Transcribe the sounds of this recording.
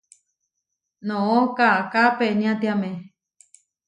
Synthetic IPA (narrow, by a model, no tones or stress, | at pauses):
nõõkakapenĩãt̪iamẽ